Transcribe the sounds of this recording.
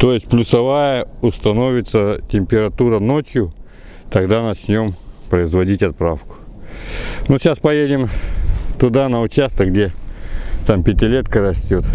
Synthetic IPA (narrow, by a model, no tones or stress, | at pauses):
t̪o̞jɪsʲtʲplʲʊsɐvajəʊst̪ɐno̞vʲɪt̪sətʲɪmʲpʲɪɾɐt̪uɾəno̞t͡ɕjʊ | t̪ɐɡd̪anɐt͡ɕnʲo̞mpɾəɪzvɐdʲitʲɐt̪̚pɾafkʊ̥ | nuɕʲaspɐjedʲɪmt̪ʊd̪anəʊt͡ɕast̪əkɡdʲe̞ | t̪ampʲɪtʲɪlʲe̞t̪kəɾɐsʲtʲo̞t̪